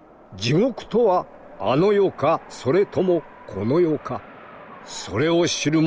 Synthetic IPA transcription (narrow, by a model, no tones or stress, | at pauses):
d͡ʑiɡo̞kɯ̟̥t̪o̞βaa̰no̞jokaso̞ɾe̞t̪ʰo̞mo̞ | kʰo̞no̞jo̞ka | so̞ɾe̞oɕiɾɯ̟m